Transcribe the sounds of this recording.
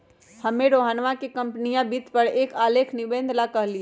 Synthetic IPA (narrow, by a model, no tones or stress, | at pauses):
hɐmẽɾoːɦənʋãkekɐ̃mpnijãbit̪pəɾeːkaːleːkʰnɪbẽːnd̪ʱlakɐɦli